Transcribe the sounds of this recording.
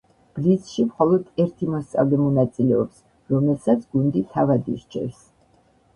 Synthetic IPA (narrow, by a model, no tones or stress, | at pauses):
b̥lisʃimχɔlˠɔd̪ɛɾt̪ʰimɔst̪sʼa̰vlɛmɔnat̪sʼilɛɔps | ɾɔmɛlˠsat̪sʰɡund̪it̪ʰavad̪ḭɾt͡ʃʰɛ̰fs